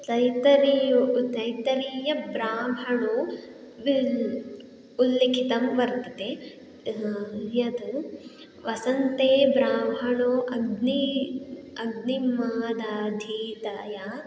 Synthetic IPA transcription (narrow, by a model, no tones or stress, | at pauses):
t̪ɐjt̪ɐɾt̪ɐjt̪ɐɾijɐbɾaːmʱɐɳu | ʋi | ulːikʰit̪ɐmʋɐɾt̪ɐt̪e | jɐd̪u | ʋɐsɐnt̪eːbɾaːmʱɐɳuʔɐɡni | ɐɡnimaːd̪aːd̪ʱiːt̪aːja